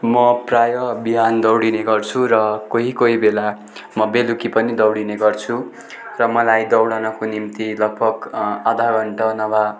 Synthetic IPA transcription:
mʌprajʌbiɦand̪ʌwɽineɡʌrt͡sʰurʌkoɦikoɦibela | mʌbelukipʌnid̪ʌwɽineɡʌrt͡sʰu | rʌmʌlajd̪ʌwɽʌnʌkonimt̪ilʌɡ̚bʌkad̪ʱaɡʌɳʈʌnʌba

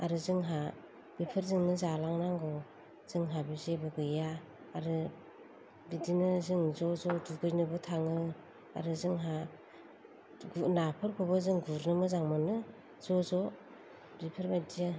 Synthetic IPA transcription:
a̰ɾɯzɯŋɦa | b̥ipʰɯɾzɯŋnɯzalaŋnaŋɡɔ | z̥ɯŋɦabizebɯɡɯja | aɾɯ | bidinɯzɯŋzɔzɔduɡɯjnɯbɯtʰaŋɯ | a̰ɾɯzɯŋɦa | ɡnapʰɯɾkʰɔbazɯŋɡuɾnɯmɯzaŋmɯnɯ | z̥ɔzɔ | bipʰɯɾmajdija

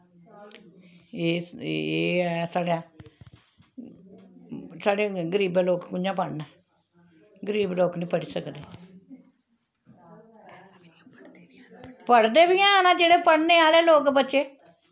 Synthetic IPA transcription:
eːeːsaːɽjãː | saːɽeɡəɾiːbẽloːkkʊnãːpəɽnɛː | ɡəɾiːbloːknĩːpəɽisəkd̪eː | pəɽd̪eːbijãnãːd͡ʒeːɽeːpəɽneːaːleːloːkbətːʃeː

